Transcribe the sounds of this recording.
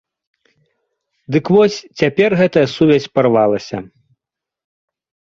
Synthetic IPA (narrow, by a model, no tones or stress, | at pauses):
d̪ɨkvɔsʲt͡sʲapʲɛrɣɛt̪ɐjɐsuvʲɛsʲpɐrvalˠɐsʲɐ